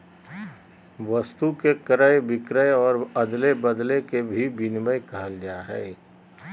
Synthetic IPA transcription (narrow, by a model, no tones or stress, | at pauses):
ʋəst̪ukekəɾəebɪkɾəjɔːɾəd̪lebəd̪lekebʱibɪnməjkəɦəld͡ʒaɦɛ̰ː